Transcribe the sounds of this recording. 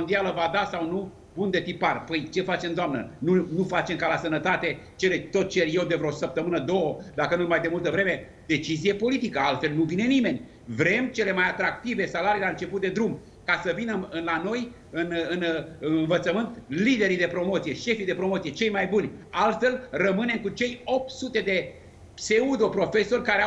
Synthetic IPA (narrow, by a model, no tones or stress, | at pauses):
mond̪ialəvad̪asawnu | bund̪e̞t̪iparpəjt͡ʃe̞fat͡ʃe̞md̪oamnənunufat͡ʃe̞mkalasənət̪at̪e̞t͡ʃe̞le̞t̪o̞t̪̚t͡ʃe̞ɾje̞wd̪e̞vɾeosəp̚t̪əmɨnəd̪o̞əd̪akənulmajd̪e̞mult̪əvɾeme̞ | d̪̥e̞t͡ʃizije̞po̞lit̪ikəalt̪fe̞lnuvine̞nime̞nʲ | vɾe̞mt͡ʃe̞lemajat̪ɾakt̪ive̞salaɾijlaɨnt͡ʃe̞put̪̚d̪e̞d̪ɾum | kasəvinəɨnlano̞j | ɨnɨnɨɨnvət̪səmɨnt̪lid̪e̞ɾid̪e̞pɾo̞mo̞t̪sije̞ʃe̞fid̪e̞pɾo̞mot̪sije̞t͡ʃe̞jmajbunʲalt̪fe̞lrəmɨne̞mkut͡ʃe̞jo̞p̚t̪sut̪e̞d̪e̞ | pse̞ud̪o̞pɾo̞fe̞so̞rʲkaɾea